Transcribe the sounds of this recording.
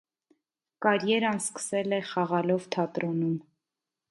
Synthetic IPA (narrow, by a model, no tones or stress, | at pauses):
kɑɾjɛɾɑnskə̥sɛlɛχɑʁɑlɔvt̪ʰɑt̪ɾɔnum